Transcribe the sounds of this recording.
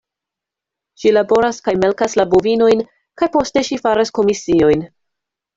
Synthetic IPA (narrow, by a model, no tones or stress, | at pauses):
ʃilabo̞ɾaskajme̞lkaslabovino̞jn | kajpo̞ste̞ʃifaɾasko̞misio̞jn